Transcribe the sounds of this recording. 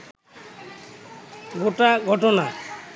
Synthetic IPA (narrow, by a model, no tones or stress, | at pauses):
ɡoʈaɡʱɔʈɔna